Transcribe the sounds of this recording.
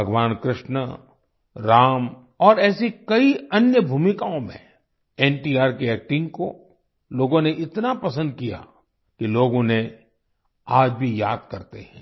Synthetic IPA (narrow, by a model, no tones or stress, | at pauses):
bʱɐɡʋaːnkɾɪʃnə | ɾaːm | ɔːɾɛːsikɐiɐnjəbʱuːmɪkaːõmḛ̃ | ɛːnʈiːaːɾkeɛːk̚ʈɪ̃ŋɡko̰ | loːɡõneʔɪt̪napɐsə̃nd̪̚kija̰ | kiloːɡõne | aːd͡ʒbʱijaːd̪̚kɐɾt̪ḛɦɛ̃ː